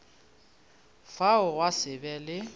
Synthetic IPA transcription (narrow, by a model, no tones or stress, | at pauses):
faʊwasɪbɛlɪ